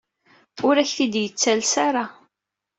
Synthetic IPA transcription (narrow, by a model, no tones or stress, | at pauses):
ʊɾæçθid̪jət͡sːælsaɾˤa